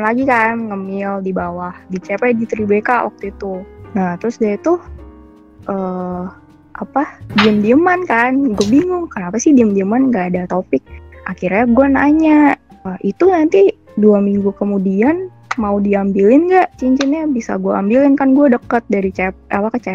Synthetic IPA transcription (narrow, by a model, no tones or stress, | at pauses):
laɡikanŋəmɪldibawahdit͡ʃepajdit̪ɾibekawa̰k̚t̪uit̪unaht̪ɾʊsdiait̪ʊh | ʔəː | ʔapadiəmdiəmankanɡuabiŋʊŋkənapasɪhdiəmdiəmanŋɡaːdat̪opɪk̚ʔa̰kirɲaɡuanaɲa | əit̪unant̪i | duamiŋɡukəmudian | maudiambilɪnɡaʔt͡ʃiɲt͡ʃinɲabisa̰ɡuaa̰mbilɪnkanɡuadəkət̪̚daɾit͡ʃɛp̚apakat͡ʃa